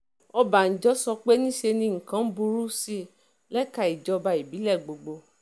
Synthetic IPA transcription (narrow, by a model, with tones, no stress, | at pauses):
ɔ˧ba˨n̩˨d͡ʒɔ˦sɔ˧k͡pe˦nĩ˦ʃe˧nĩ˧ŋ̩˨kã˨˦bu˧ɾu˦si˦ | lɛ˦ka˧˨i˨d͡ʒɔ˦˧ba˧i˨bi˨˦lɛ˦˨ɡ͡bo˨ɡ͡bo˧